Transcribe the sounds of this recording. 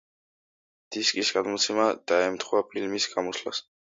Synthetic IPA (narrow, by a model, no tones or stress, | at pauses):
d̪̥iskʼisɡad̪mɔt̪sʰɛmad̪̥aɛmt̪ʰχwapʰilmisɡ̥amɔsla̰s